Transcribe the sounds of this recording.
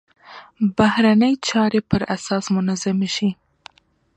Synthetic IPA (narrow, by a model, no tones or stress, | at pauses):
bahɾanəjt͡ʃɑɾepəɾasɑsmʊnazamʃi